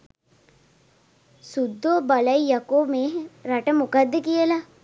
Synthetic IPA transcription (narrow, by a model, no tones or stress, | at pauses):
sud̪ʱːoːbɐlɐijɐkoːmeɾɐʈəmukad̪ːəkijəla